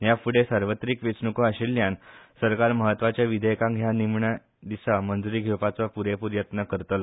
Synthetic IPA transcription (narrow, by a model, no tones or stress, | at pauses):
jafuɽesaɾʋət̪ɾikʋet͡snukoaɕilːjãnsəɾkaɾməɦət̪ːʋat͡ɕjaʋid̪ʱəjkãŋɡɦjanimɳa | d̪isamənd͡zuɾiːɡʱewpat͡sapuɾepuɾjət̪nəkəɾt̪əla